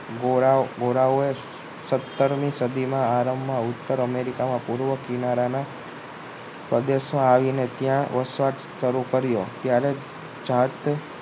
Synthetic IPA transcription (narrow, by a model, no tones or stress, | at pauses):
ɡoɾaɡoɾaoe | sət̪ːəɾmĩsəd̪ʱimãaɾəmːãʊt̪ːəɾəmeɾikamãpuɾʋəkinaɾana | pɾəd̪eʃmãaʋinet̪jãʋəsʋaʈ | ʃəɾukəɾjot̪jaɾe | d͡ʒat̪